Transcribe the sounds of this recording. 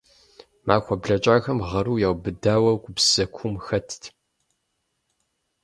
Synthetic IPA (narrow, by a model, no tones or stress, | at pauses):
maːxʷɐbɮɐt͡ʃʼaːxɐmʁɐɾuːjaːwbɨdaːwɐɡʷʊbsɐkʷʰʊmxɐtʰtʰ